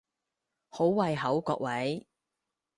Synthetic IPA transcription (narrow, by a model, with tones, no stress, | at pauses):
ho˨˥wwɐ˧jɦɐ˨˥wkɔː˧k̚wɐ˨˥j